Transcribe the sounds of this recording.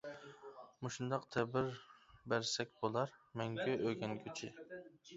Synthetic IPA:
mʊʃund̪ɑqt̪ʰɛbɪɾbæɾsɛk̚ʲbolˠɑɾmɛŋkʲʰøʔøɡʲɛnkʲʰyt͡ʃʰɪ

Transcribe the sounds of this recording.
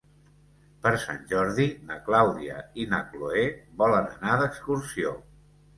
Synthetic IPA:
pəɾsa̰nʲʒɔɾðinəklawðiə̰inəkloeβɔlənə̰naðəkskuɾsio

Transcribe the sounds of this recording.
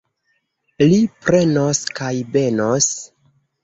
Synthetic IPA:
lipɾe̞noskajve̞nos

